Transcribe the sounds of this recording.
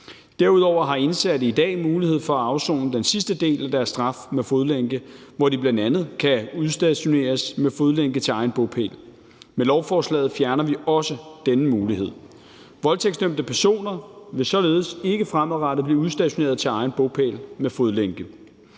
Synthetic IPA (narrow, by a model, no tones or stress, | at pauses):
d̥æɐ̰uð̞ˠɒʊ̰ɐɦɑ̈e̝nsædəid̥ɛ̰ːmuːlihe̝ð̞̰ˠfɒ̽æɑ̈ʊso̰ːnəd̥ensisd̥əd̥e̝̰ːlæd̥æɐsd̥ʁɑ̈fmefoð̞ˠleŋɡ̥əʋɒdib̥lænd̥ænð̞̩ˠkʰæuðˠsd̥æɕo̝ne̝̰ːɐsmefoðˠleŋɡ̥ət͡sʰe̝ɑ̈ɪn̩b̥ɔpʰḛːl | melɒʊfɒːslɛ̰ːð̩ˠfjæɐnɐʋiɒ̽səd̥enəmuːlihe̝ð̰ˠ | ʋɒ̽lt͡sʰeɡ̥sd̥øm̰d̥əpʰæɐso̝̰ːnɐʋe̝sɒ̽le̝ːð̞̩ˠəse̝ɡ̥əfʁamˠʁɑɾ̥ðˠb̥liːuðˠsd̥æɕo̝ne̝̰ɐð̞ˠt͡sʰe̝lɑ̈ɪn̩b̥ɔ̽pʰḛːlmefoð̞ˠleŋ̰ɡ̥ə